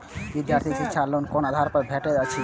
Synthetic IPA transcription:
bid̪jaɾt̪ʰiket͡ɕʰalonkonad̪ʱaɾpɔɾbʱeʈed͡ʑat͡ɕʰi

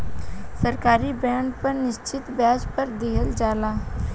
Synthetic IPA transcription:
səɾkaːɾibɛ̃ːɳɖpɐɾnɪʃt͡ʃɪt̪bjaːd͡ʒpɐɾd̪eːɦəld͡ʒaːlaː

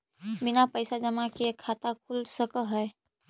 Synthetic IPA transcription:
bɪnapəɪsad͡ʒəmakekʰat̪akʰulsəkəɦɛ

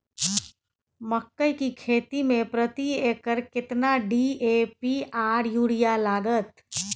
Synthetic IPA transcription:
məkːəjkikʰet̪imepɾət̪iekəɾkɪt̪naɖiepiaɾjuɽijalaːɡət̪

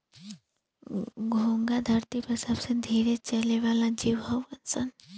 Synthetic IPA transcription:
ɡʱõːŋɡad̪ʱɐɾt̪ipɐsəbsed̪ʱiːɾet͡ʃɐleʋaːlad͡ʒiːʋɦɐʋənsən

